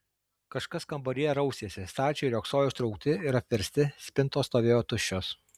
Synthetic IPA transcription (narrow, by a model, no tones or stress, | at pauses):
kɐʃkɐskɐmbɐɾʲijɛɾɐʊsʲeːsʲɪst̪ɑːt͡ʃʲoːɪɾʲoːksoːjɛʊʃt̪ɾɒʊk̚t̪ʲɪɪɾɐpʲʋʲɛɾʲsʲt̪ʲɪsʲpʲɪnt̪oːst̪oːʋʲeːjoːt̪ʊʃʲt͡ʃʲːoːs